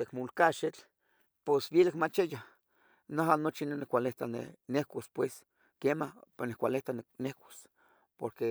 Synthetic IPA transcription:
t̪ekmulkaʃet͡ɬ | posbilakmat͡ʃeja | naɦanot͡ʃinenekʷaleht̪anḛnehkʷaspwes | kemanekʷaleht̪annehkʷḁs | poɾke

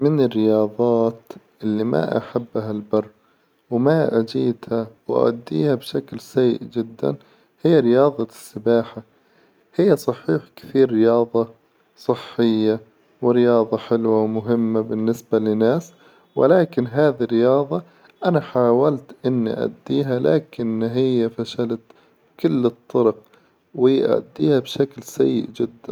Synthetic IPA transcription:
mɪnɪrːɪjɑːðˤɑːt̪ʔɪlːima̰ʔa̰ħabːɦalbɑrˤː | wmaʔad͡ʒiːt̪hawʔa̰ʔa̰d̪ːḭːhabʃaklsajːɪ̰ʔd͡ʒɪd̪ːa̰n | hɪjːaɾɪjɑːðˤɑsːɪbaːħa | hɪjːasˤɑħiːħkɪ̥θiːɾːɪjɑːðˤɑ | sˤɨħːɪjːa | wɪɾɪjɑːðˤɑħɪlwawmʊɦɪmːabɪnːɪsbalɪnaːs | wɪ̰laːkɪnɦaːðirːɪjɑːðˤɑ | ʔanaħaːwalt̪ʔɪnːiʔa̰d̪ːiːɦala̰ːkɪnːɦɪjːafaʃalat̪ | kʊlːɨt̪ˤːɑɾɑq̚ | wɪjʔa̰d̪ːiːhabʃaklsa̰jːɪ̰ʔd͡ʒɪd̪ːan

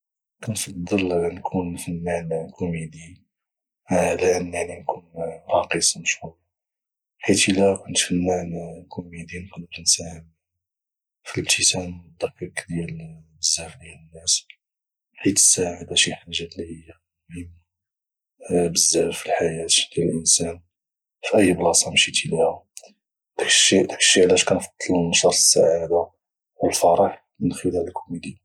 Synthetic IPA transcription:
kænfɑd̪ˤːəlnkʰunfənːænkʰumid̪i | hd̪ænaʕninkunfɑqisˤməʃhuɾ | ħit̪ilækʊnt̪fənːænkʰumid̪inkʊnʒnsæhəm | filbt̪ʰit̪ænməd̪ːɑkːəɾkd̪jælbəzːæfd̪inənːæs | ħit̪ə̥sːaʕad̪æʃiħaʒːæt̪lihəjːa | mhəmː | bəzːæɾfilħajæt̪d̪jæləlʔənsæn | fiʔəjːblɑsˤɑmʃit̪iluhæ | t̪əkʃit̪ə̥kʃiʕlæʃkænfɑd̪̥ˤːɑlnɑʃɑɾˤə̥sːa̰ʕad̪a | wəlfɑɾˤɑħ | mənxəlæləlkʰumid̪i

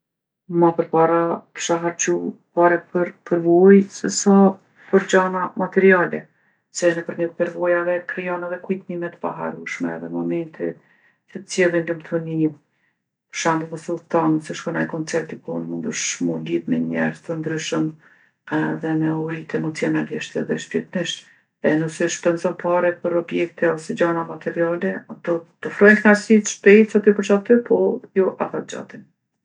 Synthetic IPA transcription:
mapəɾpaɾapə̥ʃaɦaɾt͡ɕupaɾɛpəɾpəɾvujsɛsa | pəɾd͡ʑanamat̪ɛɾialɛ̰ | sɛnɛpəɾmɛt̪̚pɛɾvɔjavɛkɾijɔnɛðɛkujt̪mimɛt̪ə̥pa̰ɦa̰ɾuʃmɛ̰ːðɛnmɔmɛnt̪i | sɛt̪t͡sjɛlind̪umt̪ʰuni | pəʃand̪əkɔsut̪ansɛʃkɔnajkɔnt͡sɛɾt̪ikunmund̪uʃmuliðmɛɲɛɾzt̪ənd̪ɾyʃəm | ðɛmɛuɾit̪ɛmɔt͡siɔnaliʃt̪ɛðɛʃpɛt̪niʃ | ɛnusiʃpɛnzɔnpaɾɛpəɾɔbjɛk̚t̪ɛɔsɛd͡ʑanamat̪ɛɾialɛat̪ɔt̪əfɾɔjnt̪ŋaɾsit̪ʃpɛjt̪sat̪ipəɾt͡ʃat̪ːypʰɔjɔʔat̪at̪d͡ʒa̰t̪in

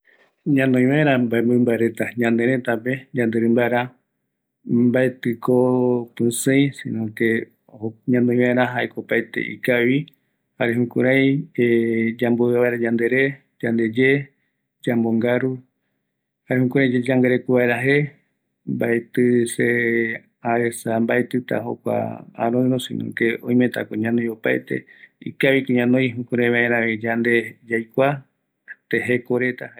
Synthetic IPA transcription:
ɲãnõj̃ʋaeɾ̃ambaemboimbaeɾe̞t̪aɲãnd̪eɾẽt̪aped͡ʒãnd̪eɾɨ̃mbaeɾa | mbaet̪ɨkopɨsɨ̃jsḭ̃nõke | oɲãnõĩj̃βaeɾãɦaekopaet̪ḛʔḭkaβi | haɾeɦũkṵɾaj̃ed͡ʒamboβaeɾaɲãnd̪eɾe | d͡ʒand̪e̞d͡ʒe | d͡ʒamboŋɡaɾu | haɾeɦũkuɾãj̃d͡ʒed͡ʒaŋɡaɾekuβaeɾaɦe̞ | mbaet̪ɨse | aesambaet̪ɨt̪a̰ɦo̰kʷa̰ã̰ɾõj̃ɾosḭnõ̰keõ̰j̃mẽt̪a̰koɲãnõjopajt̪e̞̰ḭkaβikoɲãnõj̃ɦũkuɾãj̃βaẽɾãβĩd͡ʒand̪e̞d͡ʒajkʷa | t̪eɦekoɾe̞t̪a

